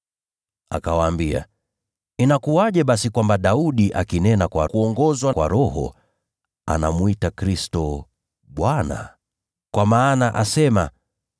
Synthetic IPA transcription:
a̰kawaːmbia̰ | inakuaʄɛɓasikwambaɗauɗiʔakinɛnakwa̰kuɔŋɡɔzwakwa̰ɾɔhɔ̰ | a̰na̰muitakɾistɔ | ɓwana̰ | kwamaːnaʔasɛma

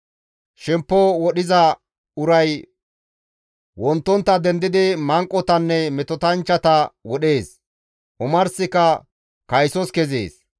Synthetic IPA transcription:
ʃɛmpːɔwɔɗɪzɐ | ʊɾɐj | wɔnt̪ːɔnt̪ːɐd̪ɛnd̪ɪd̪ɪmɐŋkʼːɔt̪ɐnːɛmɛt̪ɔt̪ɐnt͡ʃːɐt̪ɐwɔɗe̞ːs | ʔʊmɐɾsɪkːɐ | kɐjsɔskɛzḛːs

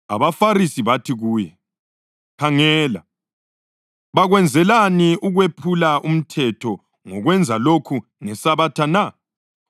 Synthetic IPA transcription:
a̰βafaɾisiβatʰiɣuːjɛ | kʰaŋɛːla̰ | βaɣwɛnd͡zʱɛlaniuɣwepʰulaʔum̩tʰɛtʰɔ | ŋɔɣwɛnd͡zʱalokʰu | ŋɛsaβatʰana

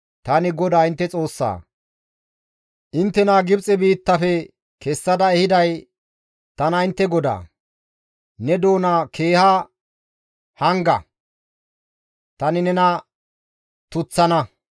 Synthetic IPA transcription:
t̪ɐnɪɡɔd̪aːɪnt̪ːɛt͡sʼo̞ːsːa̰ː | ʔɪnt̪ːɛnaɡɪbt͡sʼɛbiːt̪ːɐfɛ | kɛsːɐd̪ɐɛhɪd̪ɐj | t̪ɐnɐɪnt̪ːɛɡɔd̪a̰ː | nɛd̪o̞ːnakʰe̞ːha | hɐŋɡɐ̰ | t̪ɐnɪnɛnɐ | t̪ʊt͡sːɐnɐ

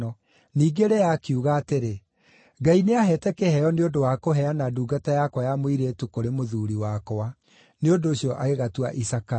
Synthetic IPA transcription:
ɔ | niːɡeɾɛjakiuɣaːteɾe | ɡaineaɦɛtɛkɛhɛjɔneodowaːkoɦɛanaduːɡatajakwajamoiɾetukoɾemoðuɾiwakowa | neondoːɕiɔʔaɣeɣatuaʔisaka

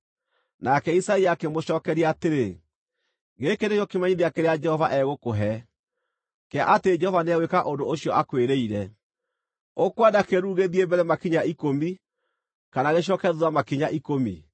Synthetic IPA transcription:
nakɛisaiakemoɕɔːkɛɾiaːteɾe | ɣekenekjɔkemaɲiðeakeɾead͡ʒɛhɔvaʔɛɣokoɦɛ | kɛaʔateed͡ʒɛhɔvaneawekaʔondooɕjɔʔakweɾeiɾɛ | okwadakeɾuːɣeðiembɛɾɛmakiɲaikomi | kanaɣeɕ̬ɔkɛðuamakiɲaʔikomḭ

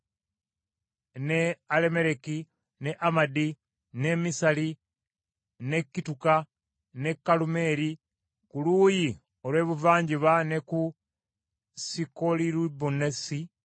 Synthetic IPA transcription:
neale̞me̞ɾeki | ne̞ʔamadi | ne̞misali | ne̞kːituka | ne̞kːalume̞ːɾi | kuluːji | olwe̞ːβuvaːɲɟiβane̞ku | sikoliɾubunesi

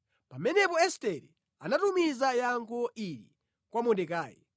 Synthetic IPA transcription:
pamɛnɛpɔɛstɛɾḭ | anatumizajaŋkʰɔʔiɾḭ | kwamɔdɛkaːjɛ̰

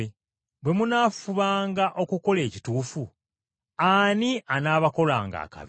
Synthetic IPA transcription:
e | bwe̞munaːfuβaːŋɡaʔo̞kuko̞le̞ːcituːfu | aniʔanaːβako̞laːŋɡa̰ːka̰β

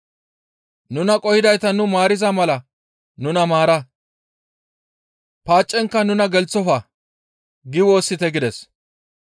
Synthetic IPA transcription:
nʊnɐkʼɔhɪd̪ɐjt̪ɐnʊmaːɾɪzɐmɐlɐ | nʊnɐmaːɾɐ | paːt͡ʃʼːɛŋkːɐnʊnɐɡɛlt͡sːɔfɐ | ɡɪwo̞ːsːɪt̪ɛɡɪd̪ɛs

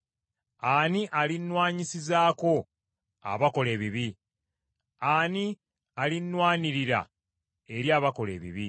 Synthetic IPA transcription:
aːniʔalinwaːɲisizaːko̞ | a̰βako̞leːβiβi | aːni | alinwaːniɾiɾa̰ | e̞ɾjaːβako̞le̞̰ːβḭβi

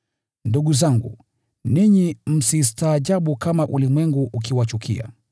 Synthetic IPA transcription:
nduɠuzaŋɡṵ | niɲim̩sistaːʄaɓukamaʔulimwɛŋɡuʔuk̬iwat͡ʃukʰḭa̰

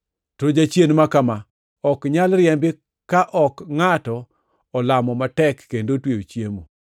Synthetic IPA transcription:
tod͡ʒat͡ʃjenmakama | ɔkɲalɾjɛmbɪ | kaʔɔkŋatɔ | ɔlamɔmatɛkːendotweot͡ʃjemo̰

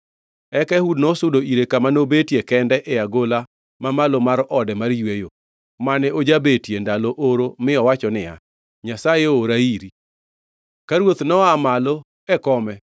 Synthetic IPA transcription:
ɛkɛhudnosʊdoiɾekamanobetjekɛndɛʔɛaɡola | mamalomaɾɔdɛmaɾjwejo | manɛod͡ʒabetjendalɔʔoɾomɪɔwat͡ʃɔnɪa̰ | ɲasajeoɾaiɾi | kaɾwot̪nɔamalɔ | ɛkɔmɛ

